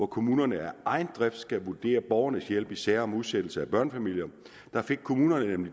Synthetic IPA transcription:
ɒkʰo̝muːnɐnəæɐʔɑ̈ɪnd̥ʁɛfd̥sɡ̥æʋud̥e̝̰ːɐb̥ɒʊɐnəsjel̰b̥isæɐ̰ɒ̽muð̞ˠsed̥l̩səæb̥ɶɐnfæmil̰jɐ | d̥ɑ̈fe̝ɡ̥̚kʰo̝muːnɐnənemli

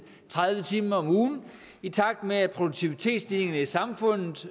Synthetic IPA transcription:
t͡sʰʁaðˠʋət͡sʰiːməɒ̽muːn̩ | it͡sʰɑ̈ɡ̥̚d̥meæpʰʁo̝d̥uɡ̚t͡sʰiʋit͡sʰe̝̰ːd̥sd̥ile̝ŋɐnəisɑ̈mfɔ̽n̰ð̩ˠ

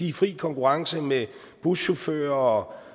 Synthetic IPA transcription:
ifʁḭːkʰɒ̽ŋkʰuʁɑ̈ŋsəme | b̥uɕofø̰ːɐɒ̽

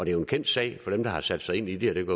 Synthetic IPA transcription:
ɒ̽d̥e̝æjo̝enkʰen̰d̥sɛ̰ɪfɒ̽ɾ̥emd̥ɑ̈hɑ̈sæd̥sɑ̈ɪe̝n̰id̥eɒd̥eɡ̥ɔ

